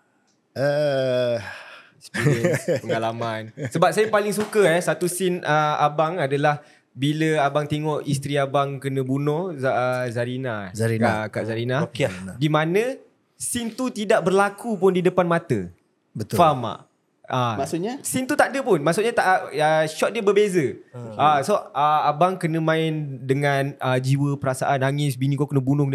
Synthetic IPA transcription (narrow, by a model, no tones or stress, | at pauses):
ə | spipəŋalamansəbap̚sajapalɪŋs̬ukəɛsat̪usɪnəa̰baŋadalah | biləabaŋt̪eŋɔʔist̪ɾiabaŋkənə̃bunɔhzəzaɾinazaɾinakaʔzaɾinakdimanə̃ | sint̪ut̪idaʔbərlakupʊndidəpanmat̪ə | bət̪fama̰ʔ | amasuɲasint̪ut̪aʔdəpʊnmaʔsuʔɲat̪aʔʔəʃɔʔ̚diəbəbezəasoəabaŋkənə̃mãɪndəŋanəd͡ʒiwəpəɾasa̰ʔanːaŋɪsbinĩkokənə̃bunʊhk